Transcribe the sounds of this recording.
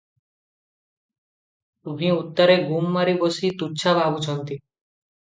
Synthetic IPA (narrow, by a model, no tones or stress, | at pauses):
t̪umiut̪ːɔɾeɡumːaɾibosit̪utːɕʰabʱabut͡ɕʰɔnt̪i